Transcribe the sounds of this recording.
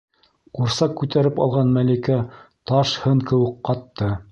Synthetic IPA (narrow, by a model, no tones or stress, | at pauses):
quɾsɑqkːʉt̪æɾɘpɑ̰lˠʁɑnmælikæt̪ɑʃhɤɴkɘ̆wɘqːɑt̪ːɤ